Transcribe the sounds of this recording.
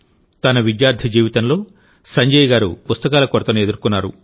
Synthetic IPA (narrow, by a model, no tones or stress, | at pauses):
t̪ɐnɐʋid̪jaːɾd̪ʰʱid͡ʒiːʋit̪ɐnlo̞ː | sɐɲd͡ʒɐjɡaːɾṵpust̪ɐkaːlɐkoɾɐt̪ɐnue̞d̪uɾkunːaːɾṵ